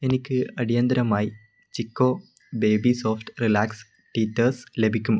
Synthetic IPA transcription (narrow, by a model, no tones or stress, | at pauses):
e̞nikʲːɨɐɽijɐnd̪ɐɾɐmaːji | t͡ɕikːoː | beːbisoːfʈɨrilaːks | ʈiːtːɐrslebʱikʲːum